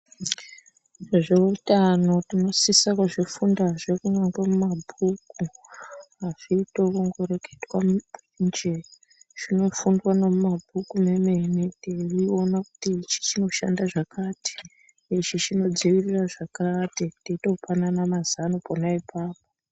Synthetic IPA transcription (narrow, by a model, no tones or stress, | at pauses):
ʐʐeutano̞tino̞sisakuʐifundaʐekuɲaŋɡwamumabʱuku | aʐ̥iːto̞kuŋɡo̞ɾeke̥twamind͡ʒe | ʐ̥ino̞fundwanomumabʱukume̞meniterio̞nakutit͡ʃi̥t͡ʃino̞ʃa̰ndaʐakati̥ | it͡ʃit͡ʃino̞d͡ziʋiriraʐakatitiito̞pananamazanoponaipʰaːp̚o